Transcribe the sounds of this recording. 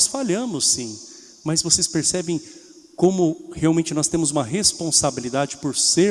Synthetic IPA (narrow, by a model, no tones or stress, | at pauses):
sfaʎɐ̃mʊsːĩ | mɐzvosespeɾsɛbẽj̃ | kõmʊheawmẽnt͡ʃɪnɔst̪ẽmʊzũmɐɦespõsabilid̪ad͡ʒɪpoɾseɾ